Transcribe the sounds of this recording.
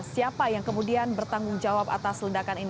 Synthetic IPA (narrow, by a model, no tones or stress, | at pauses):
siapajaŋkəmudianbərt̪aŋɡʊŋd͡ʒawapa̰t̪asləndakanin